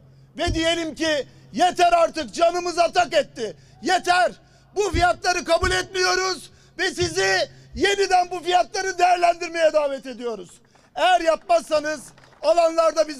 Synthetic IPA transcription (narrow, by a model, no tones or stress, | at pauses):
vɛd̪ije̞lʲimci | je̞t̪ʰæɾaɾt̪ɯk̚d͡ʒanɯmɯzat̪akɛt̪ʰːɪ | jet̪ʰæɾ | bufijat̪lˠaɾɯkabulʲɛt̪̚mijo̞ɾuz | vɛsizɪ | je̞nid̪ænbufijat̪lˠaɾɯd̪e̞jæɾlʲænd̪iɾme̞jɛd̪aːvɛt̪e̞d̪ijo̞ɾuz̥ | ejæɾjap̚masːanɯz | alˠanlˠaɾd̪abiz